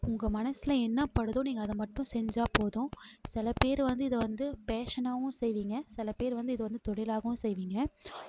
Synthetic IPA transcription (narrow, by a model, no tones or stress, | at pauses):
ʊŋɡɐmɐnɐsɪlɐɛnːɐpɐɽɯðʊ̃niːŋɡɐːðɐmɐʈːʊ̃sɛɲd͡ʒaːpoːðʊ̃sɪlɐpeːɾʋɐnd̪ɯɪðɐʋɐnd̪ɯpeːʂɐnaːʋʊ̃sɛjʋiːŋɡɐsɪlɐpeːɾʋɐnd̪ɯɪðɯʋɐnd̪ɯt̪ɔɽɪlaːɣɐʋʊ̃sɛjʋiːŋɡɐ